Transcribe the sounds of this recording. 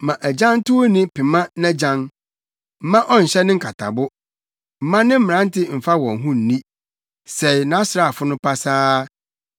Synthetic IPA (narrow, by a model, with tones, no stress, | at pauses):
mã˨ʔæ˨d͡ʑã˦n˦tʰʊ˦o˦nĩ˦pʰɪ˨mã˦nã˦d͡ʑã˦n | m̩˨mã˦ʔɔ˦n̩˨ɕɛ˦nɪ̃˦ŋ̩˦kʰa˨tʰa̰˨bʊ˦ | m̩˨mã˦nɪ̃˦m̩˦˨ã˦n˦tʰɪ˦m̩˨fa˦wɔ̃˨ŋ˨ɦũ˦n̩˨nĩ˦ | sɛ˨jnã˨˦sɾa˨a˨fʊ˦nʊ̃˦pa˦saː˦